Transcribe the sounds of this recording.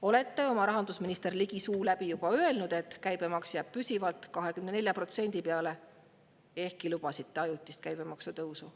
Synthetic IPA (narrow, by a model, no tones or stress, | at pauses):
o̞le̞t̪ːe̞o̞mɑɾɑɦɑnd̪usminist̪e̞rliɡ̥isuːlæb̥ijub̥ɑø̞e̞lnud̪̥e̞t̪ːkæjb̥e̞mɑksjæb̥̚pysivɑlt̪kɑɦe̞kymne̞ne̞lʲjɑpro̞t̪se̞nʲd̪̥ipeɑle̞ | e̞hkilub̥ɑsit̪ːe̞ɑjut̪ˑːist̪̚kæjb̥emɑksut̪ɤwsu